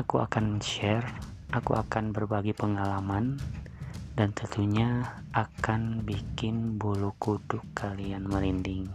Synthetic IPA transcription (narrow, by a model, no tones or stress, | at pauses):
akua̰kanʃɛr | ʔakṵʔakanbərbaɡipəŋalaman | dant̪ənt̪uɲaakanbikɪnbulukudʊkʰːalianməlindɪŋ